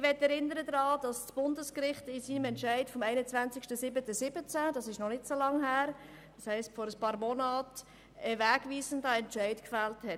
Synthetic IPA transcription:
ʋɛtːɛɾɪnəɾədɾɑːd̥ɑssb̥ʊndəskɾɪχtɪsiːnəmɛntt͡ʃʃæɪtfɔmɛɪnət͡svænt͡sɪkʃtəsɪbətəsɪbət͡sæd̥ɑsɪʃnɔnɪtsolɑŋɦæːɾ | dɑshɛɪstfɔɾəspɑːɾmɔnɑːt | ɛvæːɡviːzəndəɛntt͡ʃɛɪtkfælthɛt

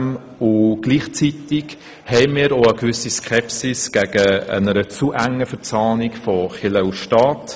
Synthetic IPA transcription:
m | ʊɡ̥liːχt͡sit̪ɪk | hɛɪmiːɾoəkʋʏsiskʰɛpsɪsɡ̥æɡ̥əə̰nəɾət͡suʔæŋəfəɾt͡sɑːnikfɔχɪləusʃtɑːt

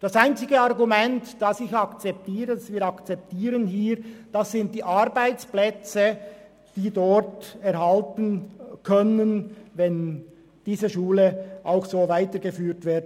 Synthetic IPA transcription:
d̥ɑsaɪnt͡sɪɡəɑʁɡumɛntd̥ɑsɪçɑkt͡sɛp̚tiːʁədasviːɾɑkt͡sɛp̚tiːɾənhiːɾd̥ɑsːɪnt̚d̥iːʔɑɾbaɪt͡splɛt͡sə | d̥iːdɔtɛɾhɑltən̩kʰœnənvɛn | d̥iːzəʃuːləʔaʊxsoːvaɪtəɡəfyːɾtv̥ɪɐd

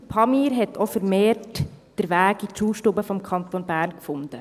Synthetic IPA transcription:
pʰɑmiːɾɦɛtʰofəɾmeːɾtd̥əɾʋæːɡit͡ʃuːʃtuːbəfɔmkʰɑnt̪onbæːɾnkfʊnd̥ə

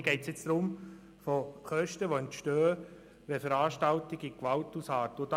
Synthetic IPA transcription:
ɡ̥ɛɪtsjɪt͡sd̥̪ɾʊm | foχœʃtəʋoɛntʃtøːə | ʋɛfəɾɑːʃtɑltɪɡɪkʋɑltusɑːtod̪

